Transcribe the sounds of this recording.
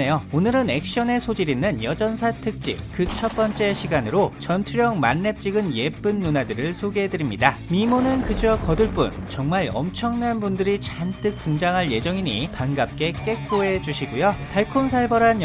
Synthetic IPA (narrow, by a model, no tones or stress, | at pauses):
ejoonɯɾɯne̞k̚ɕ͈iʌne̞sʰod͡ʑiɾinːɯnjʌd͡ʑʌnsʰatʰɯk̚t͡ɕ͈ḭkɯt͡ɕʰʌp͈ʌnt͡ɕ͈e̞ɕʰiɡanɯɾot͡ɕʌntʰuɾjʌŋmanːe̞p̚t͡ɕ͈iɡɯnje̞p͈ɯnːunadɯɾɯɭsʰoɡeɦedɯɾimɲidamimonɯnkɯd͡ʑʌkʌdɯɭp͈ṵnt͡ɕʌŋmaɾʌ̰mt͡ɕʰʌŋnanbundɯɾit͡ɕant͈ɯk̚t͈ɯŋd͡ʑaŋɦaɭje̞d͡ʑʌŋiɲḭpanɡap̚k͈e̞k͈e̞k̚k͈oe̞d͡ʑuɕʰiɡujopʰaɭkʰonsʰaɭbʌɾanj